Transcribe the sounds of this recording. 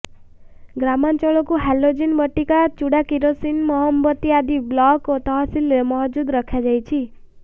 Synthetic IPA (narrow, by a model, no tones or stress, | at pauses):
ɡɾamant͡ʃɔɭokũɦɛlod͡ʒinbəʈːikat͡ʃuɽakiɾosinmɔɦɔmbət̪iad̪iblɔkɔt̪əɦasilemɔɦd͡ʒud̪ɾəkʰjad͡ʒajt͡ʃʰi